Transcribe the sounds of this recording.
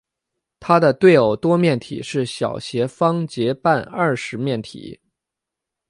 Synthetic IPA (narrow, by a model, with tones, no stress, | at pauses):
t̪ʰa˥d̪ə˨t̪we˥˩ɪo˨˩ʊt̪wɔ˥mjɛ˥˩nt̪ʰḭ˨˩˦ʂɻ̩˥˩ɕjɑ̰˨˩ʊɕjɛ˧˥fɑ˥ŋt͡ɕjɛ˧˥pa˥˧nɐ˥˩ʂɻ̩˧˥mjɛ˥˩nt̪ʰḭ˨˩˦